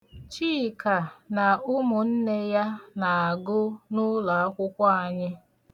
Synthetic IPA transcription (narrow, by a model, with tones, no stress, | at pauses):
t͡ʃi˦˨ka˨na˨ʊ˦mʊ˨n̩˦ne˦ja˦na˨a˨ɡʊ˦nʊ˦la˨a˦kʷʊ˦kʷɔ˦a˨ɲɪ˦